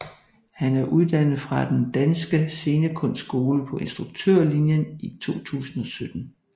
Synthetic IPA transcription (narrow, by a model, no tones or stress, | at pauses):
hænæɐʔuðˠd̥æn̰ð̩ˠfʁɑ̈d̥end̥ænsɡ̥əse̝ːnəkʰɔ̽nsɡ̥o̝ːləpʰɒ̽ʔe̝nsd̥ʁuɡ̥̚t͡sʰø̰ɐ̰linjənit͡sʰo̝̰ːt͡sʰṵːsn̩ɒ̽sød̥n̩